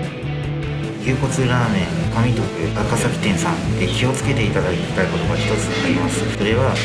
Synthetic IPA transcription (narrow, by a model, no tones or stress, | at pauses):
kʲɨːko̞t͡sɨɾaːmẽ̞ŋkomʲit̪o̞kɯ̟akasakʲi̥t̪ẽ̞ɰ̃sãnt̪e̞çʲio̞t͡sɨ̥ke̞t̪e̞it̪ad̪ait̪ːaiko̞t̪o̞ɡaçi̥t̪o̞t͡sɨnoɾʲimasɨ̥so̞ɾe̞βa